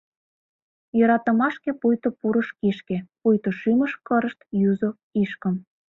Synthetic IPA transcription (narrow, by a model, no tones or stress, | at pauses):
jɤ̆ɾɑt̪ə̆mɑʃkepujt̪opuɾə̆ʃkiʃkepujt̪oʃyməʃkəɾəʃt̪jyzo | iʃkə̆m